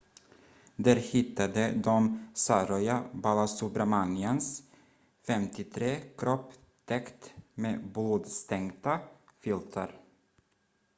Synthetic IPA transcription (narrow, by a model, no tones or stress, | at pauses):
d̪æːɾhɪt̪ːad̪əd̪ɔmsaɾɔjabalasubɾamanɪəns | fɛmt̪ɪt̪ʰɾeːkʰɾɔpː | t̪ʰɛkt̪mḛːbluːd̪st̪ʰɛŋt̪afʏlt̪ʰa̰ɾ